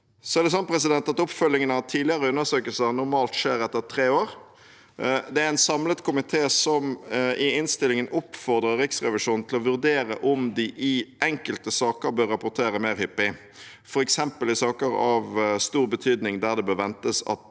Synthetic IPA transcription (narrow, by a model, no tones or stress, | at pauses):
sɔæʁd̪ɛs̬ɔnːpʰɾɛs̬ɪd̪ɛnt̪ɑt̪ʊpfœlːɪŋənhɑt̪ʰiːd̪ɪəɾəʉnːəsøːkəlsənʊɾmɑːlt̪ʂeːɾɛt̪ːəʁt̪ʰɾeːoːɾ | d̪ɛæɾɛnsɑmlət̪kʰʊmɪt̪ʰeːsɔmɪɪnst̪ɪlɪŋənʊpːfɔʁd̪ɾʁəɾɾɪksʁɛʋɪʂuːnn̩t̪ʰɪlɔʋʉɾd̪eːɾə̰ʔʊmd̪ɪʔɪʔɛŋkəlt̪əsɑːkəɾbøɾːɑpʊɾt̪ʰeːɾəmeːɾhɪpːɪ | fɔɾɛksɛmpəlɪsɑːkəɾɑʋst̪uːɾbət̪ʰyːd̪nɪŋd̪æʁd̪ɛbøːʋɛnt̪əsɑ̰t̪